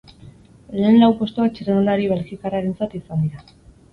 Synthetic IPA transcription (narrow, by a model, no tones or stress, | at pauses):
le̞ːnlawpo̞st̪uak̚t͡ʃerenulaɾiβelxikaraɾe̞nt͡sat̪isand̪iɾa